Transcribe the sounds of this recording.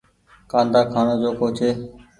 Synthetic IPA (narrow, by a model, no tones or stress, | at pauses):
kãːnd̪aːkʰaːnoːd͡ʒoːkoːt͡ʃʰeː